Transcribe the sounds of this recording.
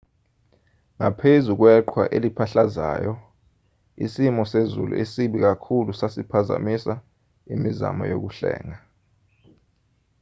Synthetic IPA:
ŋapʰezuk̬wɛǃʰwaʔelipʰaɬaza̰ːjɔ | ḭsimɔsezṵlṵʔesiɓik̬akʰulusasipʰaza̰misa | imiza̰mɔ̰jo̰k̬uɬɛ̰ːŋa

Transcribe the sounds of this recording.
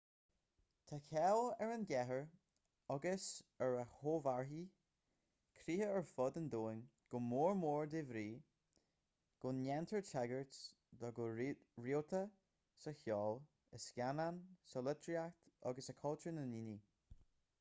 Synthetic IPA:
t̪ʰakʰɛlɛɹənɡɛɦəɹ | ɔɡəsəɹəhoːvaɹɦi | kʰɾiːhəəɹfʊd̪ənd̪oːɪn | ɡ̥ʊmoːɹmoːɹd̪evɾiː | ɡ̥ʊnjɛnt̪ʰəɹtʰɛɡəɹts | d̪ɔɡʊɹiot̪ʰə | səçjɔːl | əskʲjanansəlɪt̪ʰɾiakt̪ɔ̰ɡəsəkʰɔltənəniːni

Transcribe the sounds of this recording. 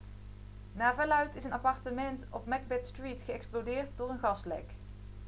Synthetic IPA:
naːɹvɛlœɥtɪsənɑpɑɹtəmɛntɔpmɛɡ̚bɛtstritχəɛksplodɪːɹt̚dʊːɹənɣɑslɛ̰k

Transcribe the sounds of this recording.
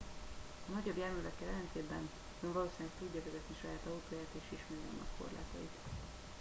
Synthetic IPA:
ɒnɒɟo̞bjɛrmylɛkːɛlɛlɛnt̪eːd̪bɛn | øɱvɒloːsiɲkt̪uɟːɒvɛzɛt̪niʃɒjaːt̪ɒut̪oːjaːt̪eːʃiʃmɛːjɒ̰nɒ̰kko̞̰rla̰ːt̪ɒ̰it̪

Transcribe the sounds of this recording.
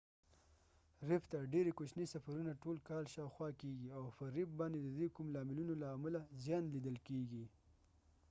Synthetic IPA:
ɾɪpt̪aɖeɾekot͡ʃnisafaɾunaʈolkɑlʃɑwxwɑkeɡiawfəɾɪb̚bɑnd̪ed̪əd̪ekumlɑmɪlunolaːmalazjɑnlid̪əlkeɡi

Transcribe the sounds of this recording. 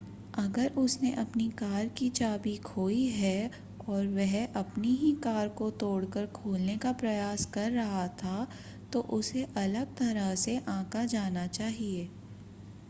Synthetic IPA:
ɐɡəɾʊsneʔɐpnikaːɾkit͡ʃaːbikʰoːiɦɛ | ɔːɾʋɛɦɐpniɦikaːɾkot̪oːɽkəɾkʰoːlnekapɾɐjaːskɐɾːɐɦat̪ʰa | t̪oʔʊseʔɐləɡ̚t̪ɐɾəɦseʔãːkad͡ʒaːnat͡ʃaːɦieː

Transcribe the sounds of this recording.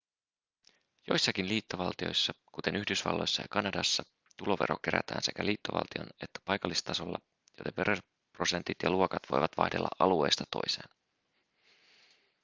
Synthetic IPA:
jo̞̰jsːɑkinliːt̪ːo̞ʋɑlt̪io̞̰jsːɑkut̪e̞nyhdysʋɑ̰lːo̞jsːɑjɑkɑnɑdɑsːɑ | t̪ulo̞ʋe̞ɾo̞̰k̟eɾæ̰t̪æ̰ːnse̞kæliːt̪ːo̞ʋɑ̰lt̪io̞̰ne̞t̪ːæ̥pɑjkɑlːist̪ɑsolːɑ̰ | jo̰depeɾer | pro̞se̞nt̪it̪jɑluokɑt̪ʋojʋɑt̪ʋɑ̰hde̞lːɑ̰ʔɑlue̞̰ːst̪ɑt̪o̞̰jse̞̰ːn

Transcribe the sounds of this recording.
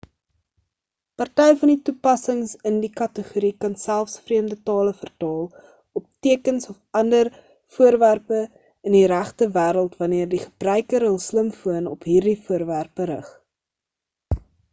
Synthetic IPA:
pɐrtɛjfɐnditupɐsəŋsəndikɐtəχuɾikɐnsælˠfsfriəmdətɑːləfərtɑːlˠ | ɔp̚tiəkənsɔfɐndər | fuərværpə | əndiɾæχtəvæːɾəlˠtvɐniərdiχəb̥rœɥkəɾɦəlˠsləmfuənɔpɦiːrdifuərværpəɾə̰χ

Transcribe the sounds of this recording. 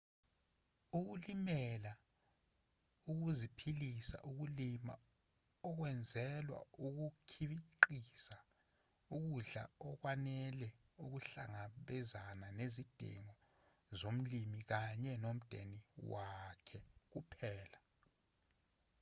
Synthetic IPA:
uk̬ulimɛla | uk̬uzipʰilisa̰ʔuk̬ulima̰ | ɔk̬wɛnd͡zʱɛlwa̰uk̬ukʰiɓiǃisa | uk̬uɮa̰ɔk̬wanɛlɛ | uk̬uɬaŋaɓɛzananezid̥ʱḭŋɔ | zom̩limik̬aɲɛnom̩d̥ʱḛniwakʰɛk̬upʰɛːla

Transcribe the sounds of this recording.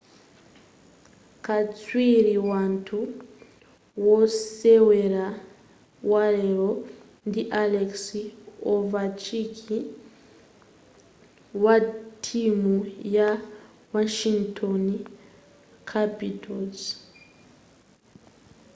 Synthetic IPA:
kat͡swiɾiwaːntʰu | woseweɾa | waɾeɾo | ndiʔaleksiovat͡ʃikʰi | watʰimuja | waʃiŋtʰoni | kʰapitʰoz

